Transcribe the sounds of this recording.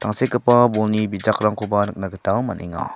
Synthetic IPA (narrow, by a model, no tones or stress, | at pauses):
t̪aŋsekəpabolnibid͡ʒakɾaŋkobanək̚naɡət̪aəmanʔḛŋa̰